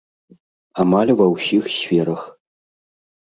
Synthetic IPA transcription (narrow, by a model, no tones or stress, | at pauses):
amalʲvɐwsʲixsfʲeɾɐx